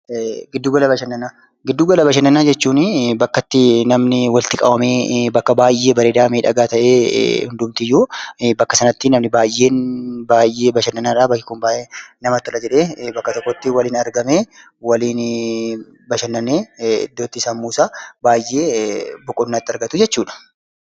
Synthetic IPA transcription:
ɡɪd̪ːuːɡɐlɐbɐʃɐnːɐnaː | ɡɪd̪ːuːɡɐlɐbɐʃɐnːɐnaːd͡ʒɛt͡ʃːuːnɪbɐkːɐt̪ːɪnɐmnɪwɐlt̪ɪkʼɐ̰wɐmeːbɐkːɐbaːjːe̞ːbɐɾeːd̪aːmiːᶑɐɡaːt̪ɐʔḛːhʊnd̪ʊmt̪ɪjːuːbɐkːɐsɐnɐt̪ːɪnɐmnɪbaːjʔːe̞ːnbaːjʔe̞ːbɐʃɐnːɐnaːɾaːbɐkːɪkʊmbaːʔeːnɐmɐt̪ːʊlɐd͡ʒɛᶑe̞ːbɐkːɐt̪ɔkːɔt̪ːɪwɐliːnɐɾɡɐmeː | wɐliːn | bɐʃɐnːɐnːeːɪ̰d̪ːo̞ːt̪ːɪsaːnmuːsaːbaːjːeːbʊkʼʊnːaːt̪ːɪɐɾɡɐt̪ʊd͡ʒɛt͡ʃːuːᶑɐ̥

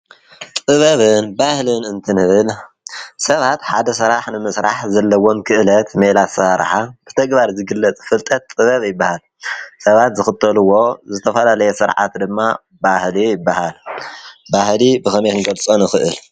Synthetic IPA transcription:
t̪ʼɨβɐβɨnbahlɨnɨnt̪ʰɨnɨβɨl | sɐβat̪ħad̪ɐsɨɾaħnɨmɨsɾa̰ħzɐlːɐwo̞nkʰɨʔlɐt̪melasaɾ̰ħab̥ɨt̪ʰɐɡbaɾzɨɡɨlːɐt͡sʼfɨlt̪ʼɐt̪ːʼɨβɐβjɪbːahal | sɐβat̪zɨxɨt̪ʼːɐlɨwːo̞zɨt̪ʰɐfɐlalɐjɛsɨɾʕa̰t̪d̪ɨmːa | bahlijɪbːahal | bahlibɨxɐmekɨŋɡɐlt͡sʼonɨxɨʔɨl

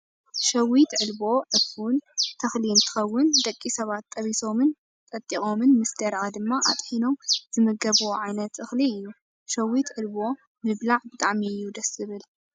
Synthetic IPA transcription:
ʃɐwit̪ʕɨlbo̞ʕɨfunt̪ʰɐxliɨnt̪ʰɨ̥xɐwːʊnd̪ɐkʼːisɐβat̪ːʼɐβiso̞mɨn | t̪ʼɐt̪ʼːixʼo̞mɨnmɨsd̪ɐɾʔad̪ɨmːaʔa̰t̪ʼħino̞mz̥ɨmɨɡɐβuwoʕajnɐt̪ʔɨxliɨjːu | ʃɐwit̪ʕɨlbo̞ | mɨβlaʕbɨt̪ʼaʕmiɨjːud̪ɐsɨβɨl

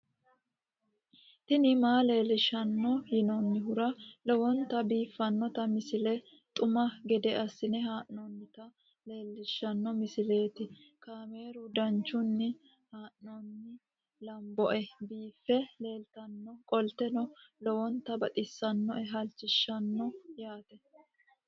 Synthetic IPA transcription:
t̪ɪnɪmaːle̞ːlːɪʃɐnːɔjɪnɔnːɪɦʊɾɐlɔwɔnt̪ɐbiːfːɐnːɔt̪ɐmɪsɪlɛ | t̪ʼʊmɐɡɛd̪ɛʔɐsːɪnɛɦaːʔɔnːɪt̪ɐ | le̞ːlːɪʃːɐnːɔmɪsɪle̞ːt̪ɪkaːme̞ːɾʊd̪ɐnt͡ʃːʊnːɪ | haːʔnɔnːɪ | lɐmbɔʔɛbiːfːɛle̞ːlt̪ɐnːɔkʼɔlt̪ɛnɔlɔwɔnt̪ɐbɐt̪ʼɪsːɐnːɔʔɛɦɐlt͡ʃːɪʃːɐnːɔjaːt̪ɛ

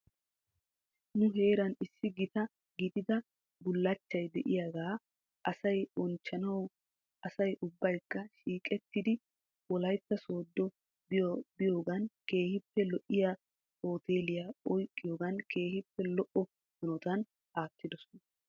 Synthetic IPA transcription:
nʊɦe̞ːɾɐnɪsːɪɡɪt̪ɐ | ɡɪd̪ɪd̪ɐ | bʊlːɐt͡ʃːɐjd̪ɛʔɪjaːɡaː | ʔɐsɐjɔnt͡ʃːɐnɐw | ʔɐsɐjʔʊbːɐjkːɐʃiːkʼɛt̪ːɪd̪ɪ | wɔlɐjt̪ːɐso̞ːd̪ːɔ | bɪjbɪjo̞ːɡɐnke̞ːhɪpːɛlɔʔɪja | o̞ːt̪e̞ːlɪjaɔjkʼːɪjoːɡɐnke̞ːhɪpːɛlɔʔɔ | mɐnɔt̪ɐn | ʔaːt̪ːɪd̪ɔsɔ̥nɐ

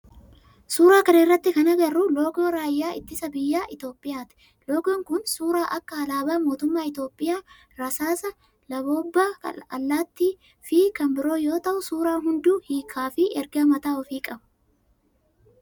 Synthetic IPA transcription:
suːɾaːkɐnɪrːɐt̪ːɪkɐnɐɡɐrːʊlo̞ːɡo̞ːɾaːjːaːʔɪ̰t̪ːɪsɐbɪjːaːʔɪt̪o̞ːpʼːɪjaːt̪ɪ̥ | lo̞ːɡoːŋkʊnsuːɾaːʔɐkːɐɐlaːbaːmo̞ːt̪ʊmːaːɪt̪o̞ːpʼːɪjaː | ɾɐsaːsɐ | lɐbo̞ːbːaɐlːaːt̪ːiː | fɪkɐmbɪɾo̞ːjo̞ːt̪ɐʔʊsuːɾaːɦʊnd̪uːhiːkʰaːfɪʔɛɾɡɐmɐt̪aːɔfiːkʼɐbɐ̥

